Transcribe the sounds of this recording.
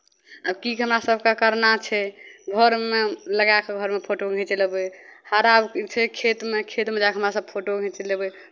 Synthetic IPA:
əbkikɦəmɾasəbʱkakəɾnat͡ʃʰɛɡʱəɾmeləɡakeɡʱəɾmepʰoʈoɡʱɛ̃t͡ʃeləbehaɾabt͡ʃʰɛkʰet̪mekʰet̪med͡ʒakɦəmɾasəb̚pʰoʈoɡʱɛ̃t͡ʃelebɛ

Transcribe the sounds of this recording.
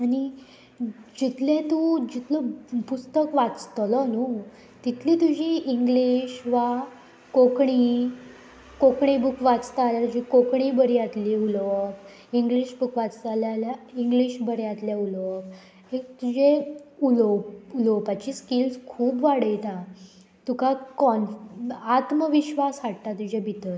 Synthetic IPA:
aɽ̃i | d͡ʑit̪lẽt̪ud͡ʑit̪ləpust̪əkʋat͡st̪lənu | t̪it̪ʰlit̪ud͡ʑʱiːʔːŋɡliɕʋa | kokɳi | kokɳibukʰʋat͡st̪aljat̪ud͡ʑikokɳiːbəɾiat̪liulʋək | iŋɡliɕbukʰʋat͡st̪aljaljaiŋɡliɕbəɾjat̪ljaulək̚ | ek̚t̪ud͡ʑeuləpuləpat͡ɕiːskilskʰuːbʋaɽəjt̪ã | t̪ukakɔnat̪məʋiɕʋasɦaɽt̪at̪ud͡ʑebʱit̪ət̪

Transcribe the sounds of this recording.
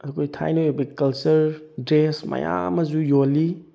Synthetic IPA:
ɐkʰojtʰa̰jnojobɐkɐlt͡ʃɐɾdɾesmɐ̰ja̰mɐzujoli

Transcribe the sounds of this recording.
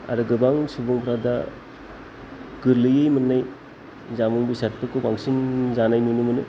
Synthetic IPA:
a̰ɾɯɡɯbaŋsubuŋpʰɾada | ɡ̥ɯɾlɯjɯjmɯnːaj | zamɯŋbisat̚pɯkɯbaŋsinzanajnunɯmɯnɯ

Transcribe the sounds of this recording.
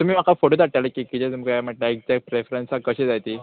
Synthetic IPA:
t̪um̤iːmakafoʈod̪aʈaləkikit̪ɛt̪umikajm̤əʈlaek̚d͡zak̚ʈpɾefɾensakəɕed͡zajt̪iː

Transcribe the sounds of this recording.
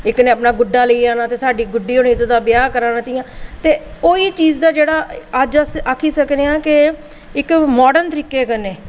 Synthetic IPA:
ɪknẽːəpnaːɡʊɖaːləiaːnãːt̪eːsaːɖiːɡʊɖiːɦoːɳiːt̪ʊd̪aːbɪjaːkəɾãːnət̪ɪjãːt̪eːoːiːt͡ʃiːd͡ʒd̪aːd͡ʒeːɽaːəd͡ʒsakʰiːsəkneãːkɪ | ɪkmɔːɖənt̪əɾiːkeːkəneː

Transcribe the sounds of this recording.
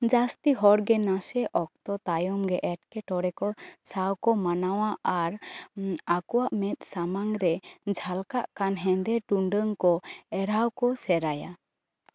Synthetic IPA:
d͡ʒast̪iɦɔɾɡɛnasɛʔɔk̚t̪ɔt̪ajɔmɡɛʔɛʈ̚kɛʈɔɾɛkɔsawkɔmanawaaɾ | akɔwaʔmɛt̪̚ˀsamaŋɾɛd͡ʒʱalkaʔkanɦɛ̃nd̪ɛʈuɳɖəŋkɔɛɾawkɔsɛɾaja̰

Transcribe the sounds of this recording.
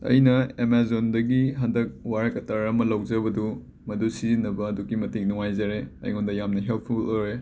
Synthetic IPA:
ɐ̰jnɐemazondɐɡiɦɐndɐk̚waɾɐkɐtɐɾɐmɐlɐwd͡ʒɐbɐdu | mɐdusizinɐbɐːduɡimɐtik̚nuŋajzɐɾeɐ̰jŋondɐjamnɐɦelp̚ʰuloɾe

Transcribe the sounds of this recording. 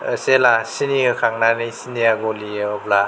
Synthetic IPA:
əselasinikɯkʰaŋnanisiniaɡoliɔbla

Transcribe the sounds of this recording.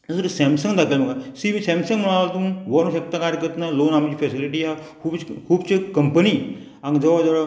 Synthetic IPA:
əsuɾusɛmsə̃ŋɡd̪akʰelməɡasiʋiːsɛmsə̃ŋɡməɭat̪ũːʋəɾõsek̚t̪akaɾjəkəɾt̪naloːnamt͡ɕiːfɛsiliʈiːɦakʰuːbkʰuːbt͡ɕekəmpəniː | ãŋɡd͡zəʋad͡zəɭa

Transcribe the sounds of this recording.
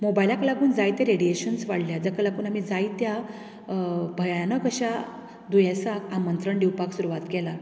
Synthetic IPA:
mobailakəlakuːnd͡zajt̪jaɾeɽieɕənsʋaɽljad͡zjakəlakuːnam̤id͡zajit̪ja | bʱəjajanɔkəɕa | d̪ujãsakamənt̪ɾəɳɖiwpaksuɾuʋat̪kɛla

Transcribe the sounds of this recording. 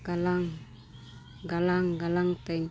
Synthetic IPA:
ɡalaŋ | ɡalaŋɡalaŋt̪ain

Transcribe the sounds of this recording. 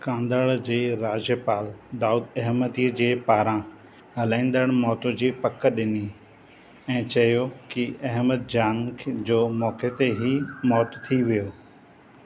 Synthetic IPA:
kãːnd̪əɭd͡ʑeːɾaːd͡ʑjəpaːld̪aːuːd̪ɐɦmət̪iːəd͡ʑeːpaːɾã | ɦɐlãːĩːn̆d̪əɽ̃mɔːt̪õd͡ʑiːpɐkəɗɪni | ɛ̃ːt͡ɕɐjokiɐɦməd̪̚d͡ʑaːnkʰd͡ʑoːmɔːket̪eɦimɔːt̪t̪ʰiʋijoː

